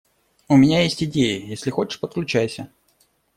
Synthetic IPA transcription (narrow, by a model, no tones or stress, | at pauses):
ʊmʲɪnʲajesʲtʲɪdʲejəjesʲlʲɪxo̞t͡ɕɪ̥ʂpət̪̚klʲʉt͡ɕæjsʲə